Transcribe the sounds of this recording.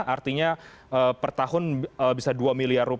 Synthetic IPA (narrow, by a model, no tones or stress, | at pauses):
art̪iɲa | əpərt̪ahʊnəbisaduamiliarːup